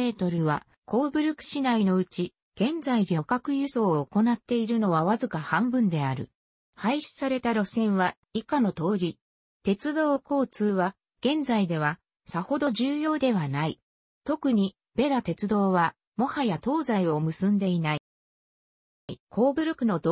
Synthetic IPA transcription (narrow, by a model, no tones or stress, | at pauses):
e̞ːt̪o̞ɾɯ̟βa | ko̞ːbɯ̟ɾɯ̟kɯ̟̥ɕinaino̞ɯ̟t͡ɕi | ɡ̥ẽ̞nd͡zaiɾʲo̞kakɯ̟jɯ̟so̞ːko̞nat̪ːe̞iɾɯ̟no̞βaβazɨkahãmbɯ̟̃nd̪e̞aɾɯ̟̰ | haiɕi̥saɾe̞t̪aɾo̞sẽ̞ɰ̃βa | ikano̞t̪o̞ːɾʲi | t̪e̞t͡sɨd̪o̞ːko̞ːt͡sɨːβa | ɡ̥ẽ̞nd͡zaid̪e̞β̞a | saho̞d̪o̞ʑɨːjo̞ːd̪e̞βanai | t̪o̞kɯ̟ɲ̟i | b̥e̞ɾat̪e̞t͡sɨd̪o̞ːβa | mo̞hajat̪o̞ːzaio̞mɯ̟sɨ̃nd̪e̞inai | ikʰo̞ːbɯ̟ɾɯ̟kɯ̟no̞d̪